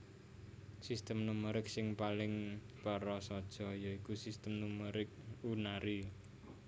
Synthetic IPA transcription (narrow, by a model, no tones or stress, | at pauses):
sist̪əmnuməɾɪk̚sɪŋpalɪŋ | pəɾɔsɔd̥ʒ̥ɔ̤jɔikusist̪əmnuməɾɪk̚unaɾi